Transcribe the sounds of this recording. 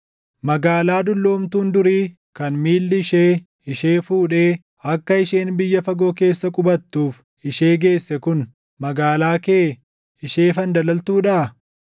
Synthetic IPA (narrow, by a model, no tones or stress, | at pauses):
mɐɡaːlaːd̪ʊlːo̞ːmt̪uːnd̪ʊɾiː | kɐnmiːlːɪɪʃeː | ɪʃeːfuːᶑeː | ɐkːɐɪʃeːnbɪjːɐfɐɡo̞ːke̞ːsːɐkʼʊbɐt̪ːuːf | ɪʃeːɡe̞ːsːɛkʊn | mɐɡaːlaːkeː | ɪʃeːfɐnd̪ɐlɐlt̪uːᶑa